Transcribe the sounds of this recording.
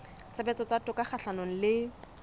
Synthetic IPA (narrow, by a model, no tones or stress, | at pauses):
t͡sʰabɛt͡sɔt͡satʊkaχaɬanoŋ̩lɪ